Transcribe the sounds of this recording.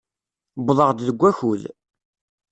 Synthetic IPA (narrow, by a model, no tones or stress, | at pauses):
bðˤəʁd̪ðəɡʷːæçul